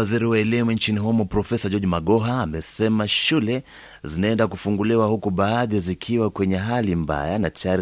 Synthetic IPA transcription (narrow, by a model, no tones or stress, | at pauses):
aziɾiwaɛlimuɲt͡ʃiniɦɔmɔpɾɔfɛsad͡ʒɔd͡ʒimaɠɔɦaːmɛsɛmaʃulɛ | zinaɛndakufuŋɡuliwahukuɓaːðizikʰiwakwɛɲɛɦalimba̰janatajaɾi